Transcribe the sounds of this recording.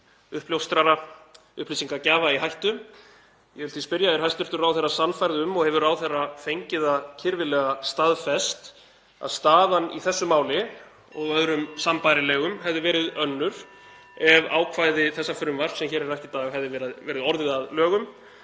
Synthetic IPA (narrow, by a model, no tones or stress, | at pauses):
ʏhpljowst̪ɾaɾa | ʏ̰hplisiŋkacaːvaiɦajht̪ʏ | jɛhʏlθispɪɾjaɛɾhajst̪ʏɾ̥t̪ʏɾawθɛrːasanfajɾðʏmːɔɣhɛvʏɾaːwθɛrːafejɲcɪðacʰɪɾvɪlɛːɣast̪aðfɛst̪ | a̰ðst̪aːðanḭθɛsːʏmaːwlɪ | ɔɣœðɾʏmsampajɾɪlɛːɣʏmɦɛvðɪvɛːɾɪðœnːʏɾ̥ | ɛva̰ːwkʰvajðɪθɛsːafʏɾʏmvar̥t̪sɛmçɛːɾɛɾajht̪it̪aːɣɦɛvðɪvɛːɾaðvɛːɾɪðɔɾðɪðaðlœːɣʏm